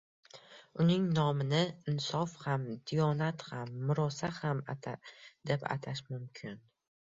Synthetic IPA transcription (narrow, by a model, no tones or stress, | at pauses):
ʊnɪŋnɒmɪnɪɪnsɒfhamd̪ijɒnat̪hamːʊɾɒsahamat̪ʰad̪̥e̞pa̰t̪ʰaʃmʊmkʲʰɪn